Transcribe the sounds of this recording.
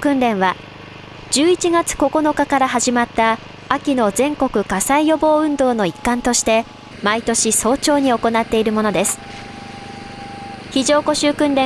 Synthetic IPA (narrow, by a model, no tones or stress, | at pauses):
kɯ̟̃nɾẽ̞ɰ̃βa | d͡ʑɨːit͡ɕiɡat͡sɨ̥ko̞ko̞no̞kakaɾaɦaʑimat̪ːaː | kʲino̞zẽ̞ŋko̞kɯ̟kasaijo̞bo̞ːɯ̟̃nd̪o̞ːno̞ikːãnt̪o̞ɕi̥t̪e̞ | mait̪o̞ɕiso̞ːt͡ɕo̞ːɲ̟io̞ko̞nat̪ːe̞iɾɯ̟mo̞no̞d̪e̞sɨ̥ | çiʑo̞ːko̞ɕɨːkɯ̟̃nɾẽ